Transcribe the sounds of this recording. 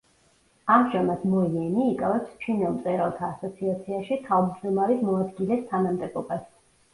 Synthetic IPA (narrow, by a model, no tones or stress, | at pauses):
amʒamad̪mɔiɛniːkʼavɛpst͡ʃʰinɛlˠmt̪sʼɛɾɛlˠt̪ʰaːsɔt̪sʰiat̪sʰiaʃit̪ʰavb̪d̪ɔmaɾismɔad̪ɡilɛst̪ʰanamd̪ɛbɔbas